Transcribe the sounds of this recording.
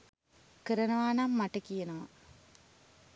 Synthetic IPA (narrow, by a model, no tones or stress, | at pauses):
kəɾɐnɐʋaːnamːaʈɐkijɐnɐʋɐ